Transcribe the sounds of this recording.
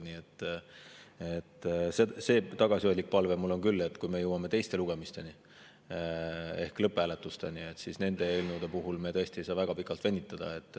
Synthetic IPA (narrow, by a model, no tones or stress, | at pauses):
niet̪ː | e̞t̪ːˑsese̞ːt̪ɑɡ̥ɑsʲio̞jʲlʲːik̚pɑlvemulːo̞nkylːet̪ːˑkujme̞jɤwɑme̞t̪e̞jst̪e̞luɡ̥e̞mist̪e̞ni | e̞hklɤpːˑeæːlet̪ːˑust̪e̞̰nie̞t̪ːˑsisne̞nd̪e̞eelnud̪epuɦulmet̪ɤ̞est̪ie̞jsɑːvæɡ̥ɑpikːˑɑlt̪ve̞nʲːit̪ːˑɑd̪̥ɑ̰e̞t̪ːˑ